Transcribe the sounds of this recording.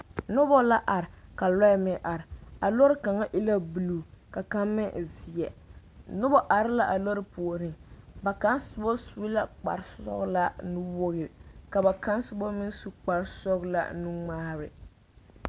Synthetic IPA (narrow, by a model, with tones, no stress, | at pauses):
nʊ˦bɔ˦la˦ʔa˨ɾɪ˨ka˨lɔ˦mɪ˨ʔa˨ɾɪ˨a˨lɔ˦ɾɪ˦ka˨ŋa˦ʔɪ˦la˦bu˨lu˨ka˨ka˦mːɪ˦˨zi˨jɛ˨ | nʊ˦bɔ˦ʔa˨ɾɪ˦la˦ʔa˨lɔ˦ɾɪ˦pu˨ɾɪ˨ŋba˨ka˦nsʊ˨bɔ˦su˦la˦k͡pa̰˨ɾsɔ̰˦ɣla˦nu˦bo˦ɣɪ˨ɾka˨ba˨ka˦nsʊ˦bɔ˦mɪ˦su˦k͡pa˨ɾsɔ˦ɣla̰˦nu˦ŋ͡maː˦ɾɪ̰˨